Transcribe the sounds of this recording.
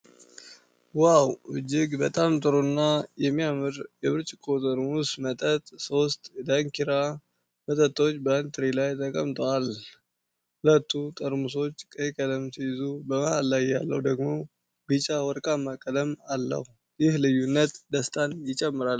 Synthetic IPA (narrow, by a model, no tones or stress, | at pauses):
wawɨd͡ʒɪɡbət̪ʼamt̪ʼɨɾonːajɛmːijamɨɾjɛβɨɾt͡ʃʼɪkʰːot̪ʼəɾmusmət̪ʼət̪ʼso̞st̪ʼd̪aŋkiɾa | mət̪ʼət̪ːo̞t͡ʃːbənt̪ʰɨɾilajt̪ʰəkʼəmt̪ʼəwal | hulət̪ʰːut̪ʼəɾmuso̞t͡ʃːkʼəkʼələmsɨjɪzubəmahalːajːa̰lːə̰hd̪əɡmo̞ | ɡɨt͡ʃʼawɔɾkʼamːakʼələmalːə̰hu | jɪhlɨjːunːət̪d̪əst̪ʼanjɪt͡ʃʼɛmːɨɾal